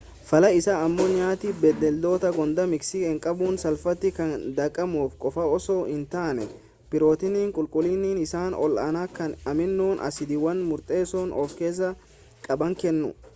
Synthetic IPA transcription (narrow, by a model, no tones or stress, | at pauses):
fɐlɐɪsaɐmːoːɲaːt̪ɪbɛd̪ːɛld̪o̞ːt̪ɐɡɔnd̪ɐmɪksɪɪŋkʼɐbuːnsɐlfɐt̪ːɪkɐnd̪ɐkʼːɐmuːfkʼɔfɐɔsoːɪnt̪aːnɛ | pɪɾo̞ːt̪ɪniːŋkʼʊlkʼʊlɪniːnɪsaːnɔ̰lʔaːnaːkɐnɐmɪnːuːnʔɐ̰sɪd̪ɪwɐnmʊɾt̪ʼe̞ːsoːnʔɔːfke̞ːs̬ːɐ | kʼɐbɐŋkɛnːʊ̰